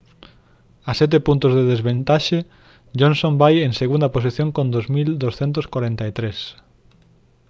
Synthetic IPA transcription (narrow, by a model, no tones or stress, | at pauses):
asɛt̪̬epunt̪ʊzðeðezβent̪aʃe | ʎõnsõmbajeŋseɣund̪ɐpos̬iθjõŋkõnd̪ozmild̪osθɛnt̪oskwaɾent̪ɐet̪ɾes